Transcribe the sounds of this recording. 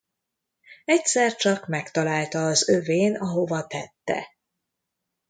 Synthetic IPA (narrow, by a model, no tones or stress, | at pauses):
ɛcsɛrt͡ʃɒkmɛkt̪ɒlaːlt̪ɒːzø̞veːnɒɦo̞vɒt̪ɛt̪ːɛ̰